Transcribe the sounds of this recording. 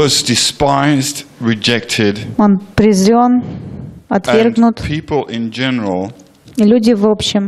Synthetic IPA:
ɔzdɪspaɪzdɹɪd͡ʒɛk̚tʰɪdonpɾʲɪzɾʲon | ɐt̪vʲerɡnʊt̪pʰipʰəl̩ˠɪ̃nd͡ʒɛnəɹəlˠ | ilʲudʲɪvopɕːɪm

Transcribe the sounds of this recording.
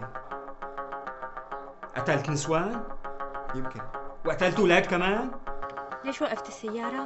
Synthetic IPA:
ʔa̰t̪alt̪nɪswaːn | jɪmkɪnwʔat̪alt̪uwlaːd̪̚kamaːn | leːʃwaʔɪft̪ɪsːajːɑːɾˤɑ

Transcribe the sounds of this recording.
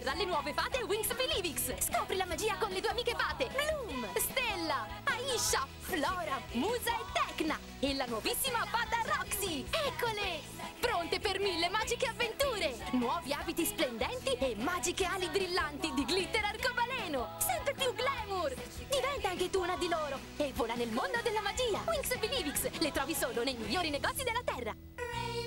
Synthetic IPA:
rːalːenwɔːvefaːt̪ewiŋsfiliːviksskɔːpɾilamad͡ʒiːakonlet̪uːeamiːkefaːt̪eblumst̪elːaaiʃːa | flɔːɾamuːzaet̪ːɛkna | elːanwɔvisːimafaːt̪arɔksiɛkːole | pɾont̪epermilːemaːd͡ʒikeavːent̪uːɾenwɔːviaːbit̪isplend̪ɛnt̪iemːaːd͡ʒikealibɾilːant̪id̪iɡlit̪ːeɾarkovalɛːnosɛnt̪ep̪juɡlɛːmur | d̪ivɛnt̪aaŋket̪uːnad̪iloːɾo | evːoːlanelmond̪od̪elːamad͡ʒiːawiŋksbiliːvikslet̪ɾɔːvisoːlonejmiʎːoːɾineɡɔt̪sːid̪elːat̪ɛrːa

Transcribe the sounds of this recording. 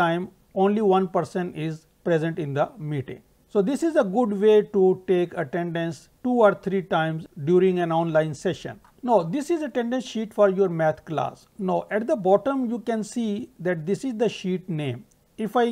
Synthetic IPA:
ãɪ̃m | õːnliʋʌ̃npəɾsə̃nɪz | pɾezə̃ɳʈɪ̃nd̪əmiːʈɪ̰̃ŋ | soːd̪ɪsɪzəɡʊɖʋeːʈuʈeːkəʈɛ̃ɳɖə̃ns | ʈuːɔːɾt̪ʰɾiːʈãɪ̃mzɖjuːɾɪ̃ŋɡɛ̃nɔ̃ːnlãɪ̃nsɛʃə̰̃n | noːd̪ɪsɪzəʈɛ̃ɳɖə̃nsʃiːʈfɔːɾjuəɾmɛːt̪ʰkla̰ːs | noːʔɛʈd̪əbɔːʈə̃mjuːkɛ̃nsiːd̪ɛʈ̚d̪ɪsɪzd̪əʃiːʈnẽːm | ɪfaɪ

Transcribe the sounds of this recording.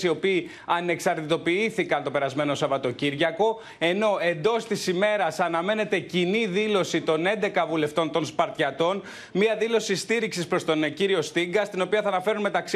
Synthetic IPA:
sio̞piː | ɐne̞ksɐɾt̪it̪o̞piiθikɐnt̪o̞pe̞ɾɐzme̞no̞sɐvɐt̪o̞ciɾʝɐko̞ | e̞no̞e̞nd̪o̞st̪isime̞ɾɐsɐnɐme̞ne̞t̪e̞ciniðilo̞sit̪o̞ne̞nd̪e̞kɐvule̞ft̪o̞nt̪o̞nspɐɾt̪çɐt̪o̞n | miɐðilo̞sist̪iɾiksispɾo̞st̪o̞nciɾio̞st̪iŋɡɐst̪ino̞piɐθɐːnɐfe̞ɾunme̞t̪ɐksi

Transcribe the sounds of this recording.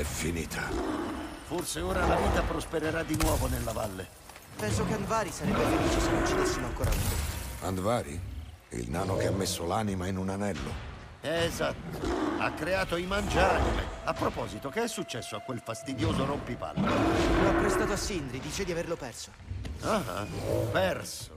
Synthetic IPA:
ɛfːinḭːt̪ʰa | forseoːɾalaviːt̪apɾospeɾeɾad̪ːinwɔːvonelːavalːe | pɛnsokeand̪vaːɾisaɾɛbːealenit͡ʃːisenot͡ʃːid̪isːimoaŋkoːɾʔa̰ṵa̰nd̪vaːɾḭḭlnaːnokeamːesːolaːnimainunanɛlːo̰ | ɛːzat̪ːooa̰kːɾeaːt̪oimand͡ʒanomḛapːɾopɔːzit̪okeɛsːut͡ʃːɛsːoakːwelfast̪id̪joːzoɾompipa̰lːoloapːɾest̪aːt̪oasːind̪ɾid̪iːt͡ʃed̪iaverlopɛrso̥ | aa̰pɛrso

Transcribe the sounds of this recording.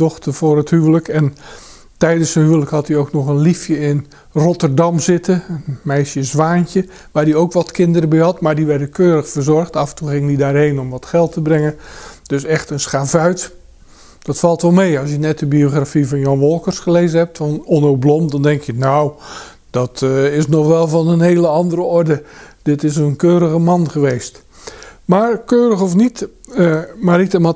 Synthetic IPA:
dɔxtərvʊːrəthyələkɛn | tɛjdənsənhyələkhɑtiowknɔχənlifjəɪn | rɔtərdɑmzɪtʰəənmɛjsjəzʋaːncə | ʋaːrdiowkʋɔtkɪndəɾəbɛɦɑtmadiʋɛrdəkʰøːɾəxfərzɔrxtɑfəntulˠxɪŋədidaːrɦejnɔmʋɔtxɛlˠtəbrɪŋəd̥øsɛxtənsxaːfœɥt | d̥ɔtfɑlˠtʋɔlˠmejɑs̬jənɛt̚dəbioχrafivɑnjɔnʋɔlˠkərsχəleːzənɦɛp̚tfɔnɔnowblɔmdɑndɛŋkjənaw | d̥ɔtɪsnɔχʋɛlˠvɑnənɦeːləɑndəɾəɔrdəd̥ɪtɪs̬ənkøːɾəɣəmɑnχəʋeːst | maːrkøːɾəxɔfnit | maritəmɔ

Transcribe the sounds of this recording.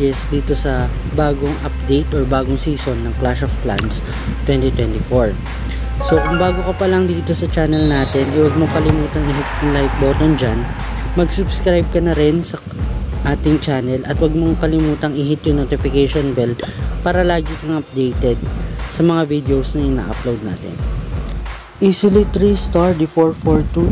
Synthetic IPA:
ɛsd̪iːt̪o̞sɐ | baːɡoŋʔɐp̚d̪ejt̪oɹbaːɡoŋsiːsonːɐŋklaʃofkla̰ns | t̪wɛnt̪it̪wɛnt̪ɪfoɹ | so̞ʔɐŋbaːɡo̞kɐpɐlɐŋd̪iːt̪o̞sɐt͡ʃaːnɛlnaːt̪ɛnʔɐjwɐɡ̚moŋkɐlɪmuːt̪ɐŋɪɦɪt̪̚jʊlajk̚bo̞ːt̪ond͡ʒan | mɐɡsʊbskɾajb̚kɐnɐɾɪnsɐ | ʔaːt̪ɪŋt͡ʃaːnɛlʔɐt̪wɐɡ̚mo̞ŋkɐlɪmuːt̪ɐŋɪɦɪt̪̚jʊnot̪ɪfɪkejʃonbɛlpaːɾɐlaːɡikɐŋʔɐp̚d̪ejt̪ɛd̪̚sɐmɐŋavid̪ɛowsnɐʔɪna̰ːʔɐplowd̪̚na̰ːt̪ɛ̰n | ʔisɪlit̪ɾist̪aɹd̪ifoɹfoɹt̪u

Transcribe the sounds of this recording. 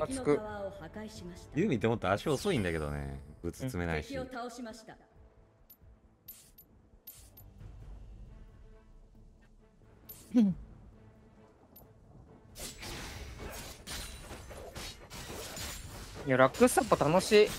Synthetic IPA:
at͡sɨkɯ̟aohaaiɕiḁt̪jɯːmʲit̪ːemot̪ːaɕi̥koso̞ĩnd̪ake̞d̪o̞̰ne̞̰ɡɯ̟t͡sɨ̥t͡sɨme̞naiɕiiot̪aoɕimaɕi̥t̪a | joɾakːɯ̟sapːot̪ano̞ɕiː

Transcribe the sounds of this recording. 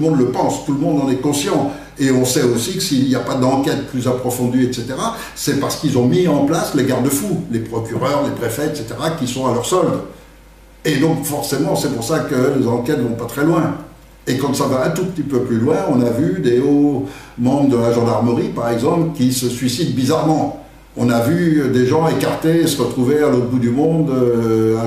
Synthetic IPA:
mɔ̃d̪ləpɑ̃st̪ulmɔ̃d̪ɑ̃nɛkɔ̃sjɑ̃ | eɔ̃sɛosikəsiljapad̪ɑ̃kʲɛt̪̚plyzapχɔfɔ̃d̪yɛt̪set̪eʁa | sɛpaʁsə̥kilzɔ̃miɑ̃plasleɡaʁd̪əfulepχɔkʲyʁœʁlepχefɛɛt̪set̪eʁakʲisɔ̃alœʁsɔld̪ | ed̪ɔ̃kfɔʁsemɑ̃sɛpuʁsakəlezɑ̃kɛt̪vɔ̃pat̪χɛlwɛ̃ | ekɑ̃savaɛ̃t̪upət̪ipøplylwɛ̃ɔ̃navyd̪eomɑ̃bd̪əlaʒɑ̃d̪aʁməʁipaʁɛɡzɑ̃plkʲisəsɥisid̪bizaʁmɑ̃ | ɔ̃navyd̪eʒɑ̃ekaʁt̪eesəʁət̪χuvealot̪bud̪ymɔ̃d̪ø

